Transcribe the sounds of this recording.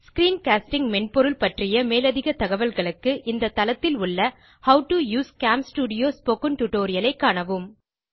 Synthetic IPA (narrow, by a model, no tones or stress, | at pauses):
skɾiːnkaːsʈɪŋmɛɳpɔɾɯlpɐʈrɪjɐmeːlɐðɪɣɐt̪ɐɣɐʋɐlɣɐɭɯkːɯʔɪnd̪ɐt̪ːɐlɐt̪ːɪlʊɭːɐ | hɐʊʈɯjuːskaːmsʈuːɽɪjoːspoːkɯnʈʊʈoːɾɪjɐlɐɪkːaːɳɐʋɯm